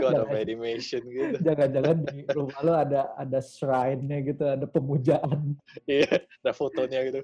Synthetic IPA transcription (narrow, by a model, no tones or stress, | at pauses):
kd͡ʒaaaedimesɔnɡitd͡ʒaŋand͡ʒaŋandiɾumaloadaa̰dasɾajnɲaɡit̪uadapəmud͡ʒaʔan | ijaadafot̪oɲaɡit̪u